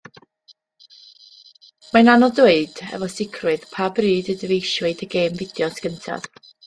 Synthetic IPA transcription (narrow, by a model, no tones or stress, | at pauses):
mananɔdweɨd̥ɛ̰vɔsɪkʰrwɨðpʰabrɨːdədəvejʃwɪdəɡeːmvɪd̥jɔsɡ̥əntʰa̰ð̥